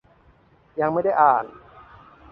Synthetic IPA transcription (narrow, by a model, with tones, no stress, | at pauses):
ja˧ŋma˥˩jda˥˩jʔaː˨˩n